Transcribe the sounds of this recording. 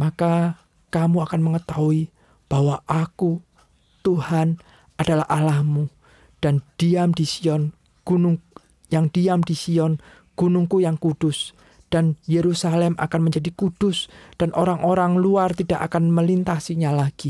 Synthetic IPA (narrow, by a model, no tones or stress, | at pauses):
maka | kamuakanməŋət̪aui | b̥awaʔaku | t̪uhan | ad̥alahalahmu | d̥and̥iamdisiɔn | ɡ̥unʊŋ | jaŋd̥iamdisiɔn | ɡ̥unʊŋkujaŋkud̥ʊs | d̥anjeɾusalɛmʔa̰kanməɲd͡ʒadikud̥ʊsd̥anʔoɾaŋʔoɾaŋluart̪id̥akakanməlint̪asiɲalaɡ̥i